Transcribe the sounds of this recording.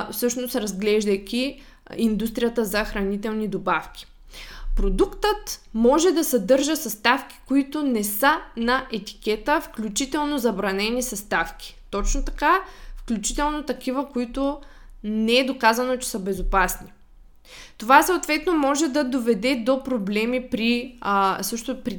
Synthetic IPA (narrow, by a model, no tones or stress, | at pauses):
fsɤʃnosɾɐzɡlɛʒd̪əjkʲi | ind̪ust̪ɾʲijət̪əzɐxɾɐnit̪ɛlˠnid̪obafk̟ʲi̥ | pɾod̪ukt̪ət̪mɔʒɛd̪ɐsɐd̪ɤɾʒəsɐst̪afkʲi̥koit̪ʊnɛsənɐʔɛt̪i̥kʲɛt̪əfklʲut͡ʃit̪ɛlˠnozɐbɾɐnɛnisɐst̪afkʲi̥t̪ɔt͡ʃnot̪ɐ̥kafklʲut͡ʃit̪ɛlˠnot̪ɐkivəkoit̪ʊ | nɛɛd̪okazɐnot͡ʃɛ̥səbɛzopasni | t̪ovasɐot̪vɛt̪nomɔʒɛd̪ɐd̪ovɛd̪ɛd̪opɾoblɛmipɾi | sɤʃt̪opɾi